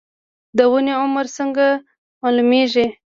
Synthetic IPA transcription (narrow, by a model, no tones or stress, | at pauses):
d̪əwəneʊmaɾsəŋɡa | mɑlumeʒi